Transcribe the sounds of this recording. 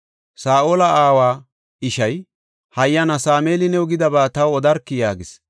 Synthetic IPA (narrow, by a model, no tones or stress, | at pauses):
saːʔoːlɐʔaːwaː | ɪʃɐj | hɐjːɐnɐsaːme̞ːlɪnɛʊɡɪd̪ɐbaːt̪ɐwɔd̪ɐɾkːɪjaːɡɪs